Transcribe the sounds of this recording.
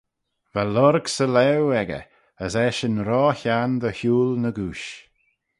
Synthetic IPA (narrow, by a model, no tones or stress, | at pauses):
valɔɾɡsəlɛwɛɡə̰ | əsɛʃənɾɔːçand̪əçuːlnəɡuːʃ